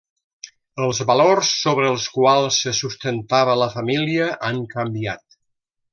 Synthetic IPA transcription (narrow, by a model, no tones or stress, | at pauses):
əlˠzβəlorsːoβɾəːlˠskwalˠsːəsust̪ənt̪aβələfəmiliəʔaŋkəmbia̰t̪